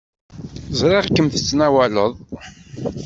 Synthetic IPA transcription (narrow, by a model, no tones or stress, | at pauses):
zɾeʁkːəmθə̥t͡sːnæwæləðˤ